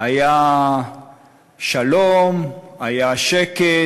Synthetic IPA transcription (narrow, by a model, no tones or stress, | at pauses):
aja | ʃalomajaʃeke